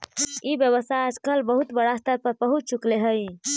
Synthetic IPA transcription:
ibjəβəsaəd͡ʒkəlbəɦut̪bəɽast̪əɾpəɾpəɦut̪̚t͡ʃukleɦəj

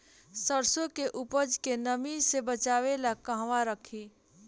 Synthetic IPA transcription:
səɾsõkeʔʊpəd͡ʒkenəmisebət͡ʃaːʋelakə̃ɦʋaɾəkʰiː

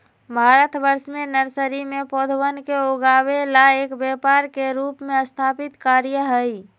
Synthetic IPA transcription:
bʱaːɾət̪bəɾsmẽnəɾsəɾimẽpɔːd̪ʱwənkeoːɡaːwelaeːkbjɛpaːɾkeɾuːpmẽəst̪ʰaːpɪt̪kaːɾjəɦəi

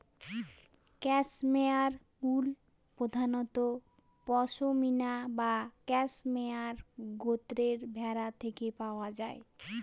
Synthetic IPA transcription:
kɛsmeaɾ | ul | pɾod̪ʱanɔt̪o | pɔʃominabakɛsmeaɾɡot̪ɾeɾbʱɛɾat̪ʰekepaoad͡ʑae

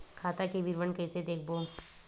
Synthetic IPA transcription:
kʰaːt̪akeʋɪɾʋənkɛːsed̪eːkʰboː

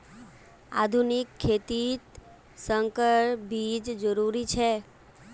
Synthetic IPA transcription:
a̰d̪ʱunikʰːet̪it̪ | səŋkəɭbid͡ʒd͡ʒəɾuɾit͡ʃʰe

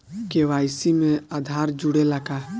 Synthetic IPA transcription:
keʋaːɪsimẽad̪ʱaːɾd͡ʒʊɽelaɡa

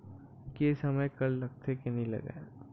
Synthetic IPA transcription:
kesɐməjkɐllɐɡ̚t̪ʰekenɐĩlɐ̰ɡa̰

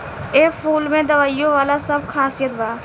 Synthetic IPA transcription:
eːpʰuːlmẽːd̪əʋaːijõːʋaːlasəb̚kʰaːsijət̪baː

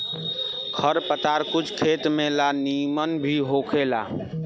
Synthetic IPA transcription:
kʰəɾpət̪aɾkut͡ʃʰkʰet̪melanimənbʱiɦokʰela̰

